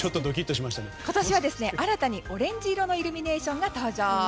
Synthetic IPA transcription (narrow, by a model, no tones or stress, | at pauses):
o̞t̪ːod̪o̞k̬ʲit̪ːo̞ɕimaɕi̥t̪aneko̞t̪aɕiβad̪e̞sɨne̞ʔaɾat̪aɲ̟iʔo̞ɾẽ̞ɲ̟d͡ʑiːɾo̞no̞iɾɯ̟mʲine̞ːɕõ̞ŋɡat̪aːʑaː